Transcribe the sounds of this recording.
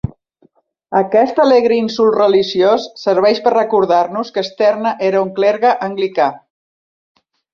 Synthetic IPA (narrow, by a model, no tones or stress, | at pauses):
əkɛst̪əleɣɾəinsulˠrəliʒiosːəɾβ̞ɛʃpərrəkuɾð̞aɾnuskəːst̪ɛrnəʔeɾəuŋklɛɾɣəʔəŋɡlika